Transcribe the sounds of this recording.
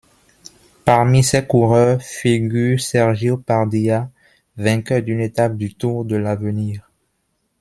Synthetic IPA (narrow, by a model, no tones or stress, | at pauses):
paʁmisɛkuʁœʁfiɡyʁsɛʁʒjopaʁd̪ia | vɛ̃kœʁd̪ynet̪ap̚d̪yt̪uʁd̪əlavəniːʁ